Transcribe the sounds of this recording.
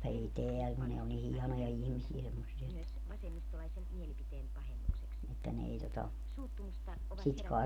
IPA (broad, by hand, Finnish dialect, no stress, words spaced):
ei teæl ku ne o ni hiɑnojɑ ihmisiæ semːosːiɑ etːæ etːæ ne ei totɑ sit kɑe